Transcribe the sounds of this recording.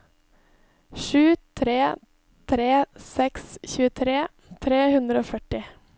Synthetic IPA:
ʃʉːt̪ʰɾeː | t̪ʰɾeːsɛksçʉːət̪ʰɾeː | t̪ʰɾeːhʉnd̪ɾəoːfœʈɪ

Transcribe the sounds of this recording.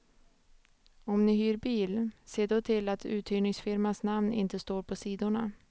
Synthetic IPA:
ɔmnɪɦyːɾbiːlseːɖɔt̪ʰɪlat̪ʰʉ̟̰ːt̪ʰhyːɳɪŋsfɪɾmansnamnɪ̰nt̪əst̪oːɾpʰɔsiːd̪ʊɳa

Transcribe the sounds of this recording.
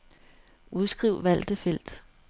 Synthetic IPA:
ʔuðˠsɡ̥ʁiʊ̰ʋæl̰d̥əfel̰d̥

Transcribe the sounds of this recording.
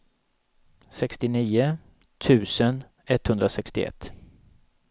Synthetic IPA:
sɛkst̪ɪniːʊ | t̪ʰʉ̟ːsən | ɛt̪hɵnd̪ɾasɛkst̪ɪ̰ɛ̰t̪ː

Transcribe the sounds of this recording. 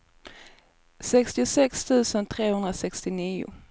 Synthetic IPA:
sɛkst̪ɪʊsɛkst̪ʰʉ̟ːsənt̪ʰɾeːhɵnd̪ɾasɛkst̪ɪniːʊ̰

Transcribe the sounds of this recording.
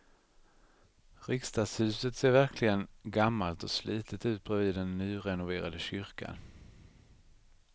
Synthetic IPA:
ɾɪkst̪ɑːɡshʉ̟ːsət̪seːɾvæɾkʰlɪɡənɡamːalt̪ɔslʔiːt̪ʰət̪ʉ̟ːt̪̚b̥ɾɛviːd̪ɛnːyːɾɛnʊveːɾad̪əɕʏɾka̰n

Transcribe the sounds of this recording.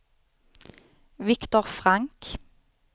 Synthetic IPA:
ʋɪkt̪ɔʁfʁɑŋk

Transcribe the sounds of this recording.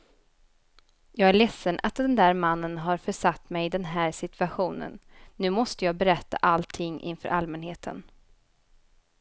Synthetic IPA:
jɑːɡæɭɛsːənʔat̪̚d̪ɛnd̪æːɾmanːənɦaɾfœʂat̪ːmɛjɪd̪ɛnɦæːɾsɪt̪ʰvaɧuːnə̰nːʉ̟ːmɔst̪əjɑːɡbɛɾɛt̪ːa̰ʔalt̪ʰɪŋːʔɪ̰nfœ̰ːɾalmɛnheːt̪ʰə̰n

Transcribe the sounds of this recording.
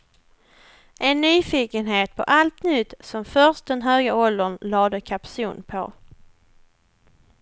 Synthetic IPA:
ʔɛnːyːfiːkənɦeːt̪̚pʰɔʔalt̪nʏt̪sɔmfœʁʂt̚d̪ɛnɦøːɡəɔld̪ənlɑːd̪əkʰapsuːnpʰɔ̰

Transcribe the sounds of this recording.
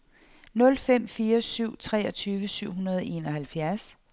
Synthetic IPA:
nɔ̽lfem̰fiːɐsyʊ̰t͡sʰʁɛ̰ːɒ̽t͡sʰyːʋəsyʊ̰ɦunɐð̞ˠɒʔe̝nɒhælfjæɐs

